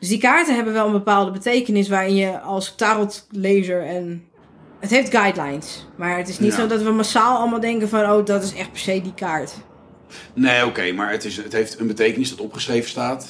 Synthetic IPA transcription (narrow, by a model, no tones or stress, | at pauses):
døsdikaːɹtəɦɛbəʋɛlˠənbəpaːlˠdəbətejkənɪs̬ʋaːɹɪnjəɔlˠstaɾlˠtleːzəɹɛn | ətɦejfdɡajdlajnsmaɹətɪsnitssodɔtʋəmasaːlˠɔlˠmalˠdɛŋkənfɔnoːdɔtɪsɛxt̚pɛɹsejdikaːɹt | neːokejmaːɹətɪsətɦeftənbətejkənɪsdɔtɔpχə̥srejvənstaːt